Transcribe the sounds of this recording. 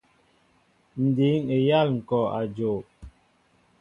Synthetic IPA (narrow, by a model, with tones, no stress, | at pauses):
n̩˨di˨˦ŋe˨ja˦˨lŋ̩˨kɔ˨a˨d͡ʒo˨